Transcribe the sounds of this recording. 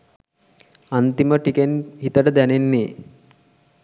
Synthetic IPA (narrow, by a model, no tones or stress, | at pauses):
ɐnt̪iməʈikenɦit̪əʈəd̪ænenːeː